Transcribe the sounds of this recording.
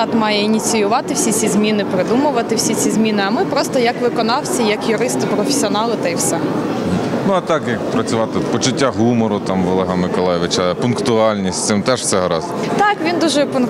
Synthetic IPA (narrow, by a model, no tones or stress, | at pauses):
ɑt̪mɑjɛinʲit͡sʲijʊʋɑt̪ɪwsʲit͡sʲizʲmʲinɪpɾɪd̪umʊʋɐt̪ɪwsʲit͡sʲizʲmʲinɪɐmɪpɾɔst̪ɔjɐkʋɪkɔnɑwsʲɐjɐkjʊɾɪst̪ɪpɾɔfʲe̥sʲiɔnɑlˠɪt̪ɐiwsɛ | ɦ̩nuɐt̪ɑkjɐkpɾɐt͡sʲʊʋɑt̪ɪpɔt͡ʃʊtʲːaɦumɔɾʊt̪ɑmʋɔlˠɛɦɐmɪkɔlˠajɪʋɪt͡ʃɐpʊnkt̪ʊɑlʲnʲisʲt̪ʲsɪmt̪ɛʃsɛɦɾɑ̰z | t̪ɑkʋʲind̪uʒɛpʊn